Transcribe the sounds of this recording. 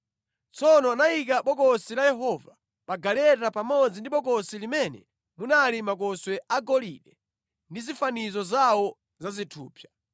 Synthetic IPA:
t͡sʰɔnɔanaik̬aɓɔkɔsilajɛɦɔva | ɓaɡalɛtapamɔd͡zindiɓɔkɔsilimɛnɛ̰ | munalimak̬ɔswɛʔaɡɔlḭɗɛ | ndizifanizɔzawɔ | zazitʰṵːpʰja

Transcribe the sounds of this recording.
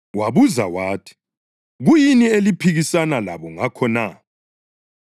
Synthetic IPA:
waβuza̰waːtʰi̥ | ɣujinielipʰiɣisanalaβɔŋakʰɔna

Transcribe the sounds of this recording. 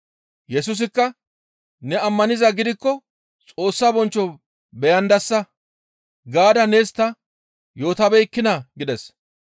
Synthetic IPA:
jɛsʊs̬ɪkːɐ | nɛɐmːɐnɪzɐɡɪd̪ɪkːɔ | t͡sʼo̞ːsːabɔnt͡ʃːɔ | bɛjɐnd̪ɐsːɐ | ɡaːd̪ɐneːst̪ːɐ | jo̞ːt̪ɐbɛjkːɪnɐɡɪd̪ɛs

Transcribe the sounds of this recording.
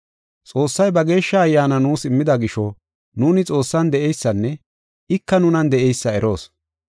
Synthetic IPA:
t͡sʼo̞ːsːɐjbɐɡe̞ːʃːɐːjːaːnɐnuːsɪmːɪd̪ɐɡɪʃɔ | nuːnɪt͡sʼo̞ːsːɐnd̪ɛɛjsːɐnːɛ | ɪkːɐnʊnɐnd̪ɛʔɛjsːɐɛɾʔo̞̰ːs

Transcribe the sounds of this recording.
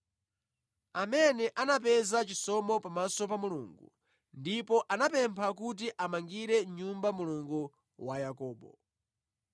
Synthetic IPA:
amɛnɛʔanap̬ɛzat͡ʃisɔmɔpamasɔpamuluːŋɡṵ | ndipɔʔanapɛmpʰak̬ut̬iʔamaŋɡiɾɛɲumbamuluŋɡu | wajakɔːɓɔ̰

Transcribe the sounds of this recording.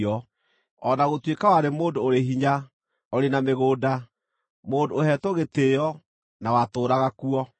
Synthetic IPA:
ɔ | ɔnaɣotwekawaɾemoːndoːɾeɦiɲa | ɔɾenameɣoːda | moːndoːɦɛtoɣeteːjɔ | nawatoːɾaɣakuɔ

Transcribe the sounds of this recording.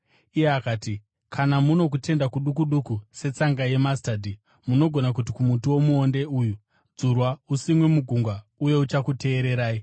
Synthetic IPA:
ijeakaːti | kʰanamuno̞k̬ute̞ndakuɗukuɗukuse̞t͡saŋɡaje̞mastadʱi | muno̞ɡʱo̞nak̬ut̬ikumutuwo̞muonde̞uːju | d͡zurwausimwe̞muɡʱuŋɡwauje̞ut͡ʃakute̞ːɾe̞ɾaːi

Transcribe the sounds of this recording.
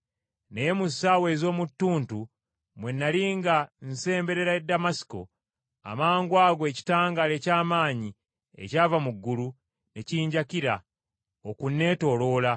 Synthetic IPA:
nejemussawe̞zo̞ːmutːuːntu | mwe̞nːaliːŋɡan̩se̞ːmbe̞ɾe̞ɾaedːamasi̥ko̞̰ | a̰maːŋɡwaːɡoeci̥taːŋɡale̞ːcaːmaːɲi | e̞̰caːvamuɡːulu | ne̞ciːɲɟakiɾa | okunːe̞ːto̞ːlo̞ːla

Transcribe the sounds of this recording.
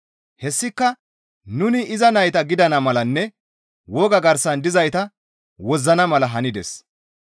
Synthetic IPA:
hɛsːɪkːɐ | nʊnɪʔɪzɐnɐjt̪ɐɡɪd̪ɐnɐmɐlɐnːɛ | wɔːɡɐɡɐɾsɐnd̪ɪzɐjt̪ɐ | wɔzːɐnɐmɐlɐɦɐnɪd̪ɛ̰s

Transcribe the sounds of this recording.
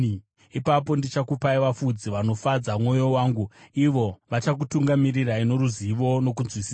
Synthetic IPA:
ipap̬o̞ndit͡ʃakupaiʋafud͡ziʋano̞fad͡zamwo̞jo̞waːŋɡuiʋo̞ʋat͡ʃak̬utuŋɡamiriraino̞ɾuziʋo̞no̞k̬unzwisi̥ːsa

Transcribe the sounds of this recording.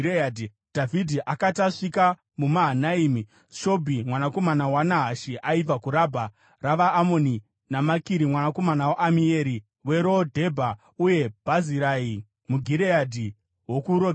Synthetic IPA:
edi | d̥ʱavʱidʱiʔakataʂika | mumaɦanaiːmi | ʃo̞bʱimwanako̞manawanaɦaʃiʔaib͡vakuɾabʱa | raʋaːmo̞ni | namakiɾimwanako̞manawaʔamie̞ɾi | we̞ɾodʱe̞bʱa | uje̞b̥ʱaziɾai | muɡʱiɾeadʱi | wokuɾo

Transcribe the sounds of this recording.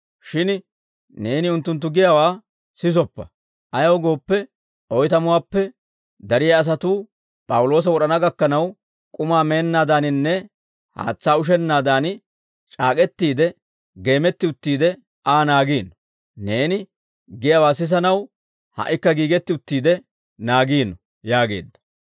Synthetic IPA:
ʃɪn | ne̞ːnɪʊnt̪ːʊnt̪̬ːʊɡɪjawaː | sɪs̬ɔpːɐ | ʔɐjɐwɡo̞ːpːɛ | ʔɔjt̪ɐmʊwaːpːɛ | d̪ɐɾɪjɐːs̬ɐt̪uː | pʼɐwʊlo̞ːs̬ɐwɔɗɐnɐɡɐkːɐnɐw | kʼʊmaːme̞ːnːaːd̪aːnɪnːɛ | ha̰ːt͡sːaːʊʃ̬ɛnːaːd̪aːn | t͡ʃʼaːkʼɛt̪ːiːd̪ɛ | ɡe̞ːmɛt̪ːɪʊt̪ːiːd̪ɛ | aːnaːɡiːnːɔ | ne̞ːnɪ | ɡɪjɐwaːs̬ɪs̬ɐnɐw | hɐ̰ʔɪkːɐɡiːɡɛt̪ːɪʊt̪ːiːd̪ɛ | naːɡiːnːɔ | jaːɡe̞̰ːd̪ːɐ̥

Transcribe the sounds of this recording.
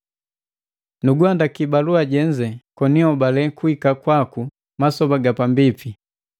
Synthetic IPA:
nuɡuandakibaluaɟɛɲd͡ʒɛkɔniɔbalɛkuikakwaku | masɔbaɡapambipi

